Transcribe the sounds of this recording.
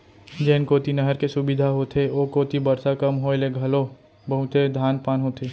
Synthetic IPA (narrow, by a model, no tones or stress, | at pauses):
d͡ʒɛːnkoːt̪inɐɦəɾkesʊbɪd̪ʱaɦot̪ʰeokoːt̪ibɐɾsakɐmɦoeleɡʱɐlo | bəɦʊt̪ed̪ʱaːnpaːnɦot̪ʰeː